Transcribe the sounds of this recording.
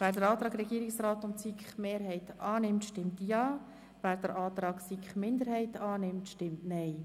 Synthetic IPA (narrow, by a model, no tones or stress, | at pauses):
væːɾdəɾɑːt̪ɾɑːɡɾɛɡiːɾɪksrɑːt̪ʊntt͡sikχmeːɾɦɛɪtɑːnɪmtʃtɪmtjɑː | væːɾd̥əɾʔɑːt̪ɾɑːɡsikχmɪnd̪əɾhɛɪtɑːnɪmtʃtɪmtnɛɪ